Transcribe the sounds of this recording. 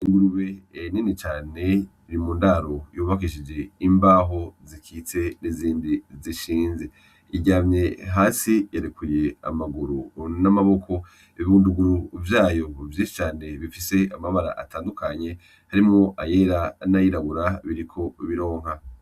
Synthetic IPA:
iŋɡuɾuβe̞ninet͡ʃaːne̞ | iɾimuːndaɾojuːβak̬iʃid͡ʒe̞imbaːɦo̞zikʰiːt͡se̞niziːndiziʃiːnze̞ | iɟaːmɲe̞ɦaːsijaɾekuje̞a̰maɡuɾunamaβo̞kʰo̞ | iβuːnduɡuɾuvjaːjo̞vjiːʃi̥t͡ʃaːne̞βifise̞amaβaɾa̰ʔa̰taːndukʰaɲe̞ | haɾimŋo̞ʔaje̞ɾanajiɾaβuɾaβiɾikʰo̞βiɾo̞ːŋ̥ɦa

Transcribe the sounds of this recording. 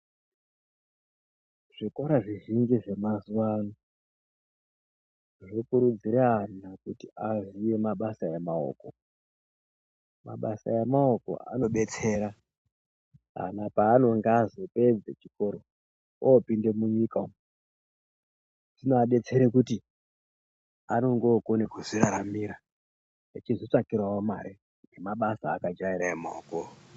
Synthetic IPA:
ʐ̥iko̞ɾaʐiʒind͡ʒiʐe̞mazuwano | ʐokuɾud͡ziɾaanakutiazije̞maɓasajemao̰ːko̞ | ma̰ɓa̰sa̰jemao̞ko̞̰a̰no̞ɓe̞t͡se̞ɾa | ɦa̰napaːno̞ŋɡazoped͡zet͡ʃikoɾo | oːpinde̞muɲikao | tinoaɓe̞t͡se̞ɾekuti | ano̞ŋɡoːkonekuziɾaɾamiɾa | et͡ʃizo̞t͡ʂakirwawomaɾe | emaɓasaːkad͡ʒaiɾaemaoko

